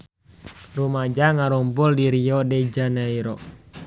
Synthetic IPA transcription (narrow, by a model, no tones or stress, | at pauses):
rumad͡ʒaŋaɾɔmbuldiɾiɔdɛd͡ʒanaiɾɔ